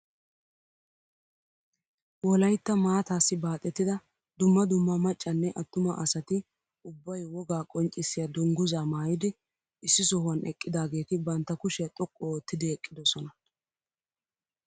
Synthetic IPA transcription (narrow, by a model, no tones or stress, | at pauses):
wɔlɐjt̪ːɐmaːt̪aːsːɪbaːt̪ʼːɛt̪ːɪd̪ɐ | d̪ʊmːɐd̪ʊmːɐmɐt͡ʃʼːɐnːɛʔɐt̪ːʊmɐʔɐsɐt̪ɪ | ʊbːɐjwɔɡaːkʼɔnt͡ʃʼːɪsːɪjɐd̪ʊŋɡʊzaːmaːjɪd̪ɪ | ɪsːɪsɔhʊɐnʔɛkʼːɪd̪aːɡe̞ːt̪ɪbɐnt̪ːɐkʊʃɛt̪ʼɔkʼːɔːt̪ːɪd̪ɪɛkʼːɪd̪ɔsɔnɐ